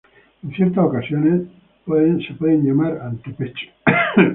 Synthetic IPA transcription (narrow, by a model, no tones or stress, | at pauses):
en̟θjeɾt̪aokasjone | peðensepweðenʎamaɾalt̪upet͡ʃe̥